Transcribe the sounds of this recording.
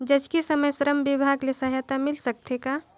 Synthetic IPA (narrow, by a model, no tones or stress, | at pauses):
d͡ʒɐd͡ʒkisɐməjsɾəmbɪbʱaːɡlisaɦjat̪amɪlsɐk̚t̪ʰeka